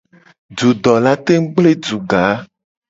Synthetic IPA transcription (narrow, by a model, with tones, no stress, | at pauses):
d͡ʒu˨d̪ɔ˨la˦t̪e˦ŋ̩˦ɡ͡ble˦d͡ʒu˨ɡa˨˦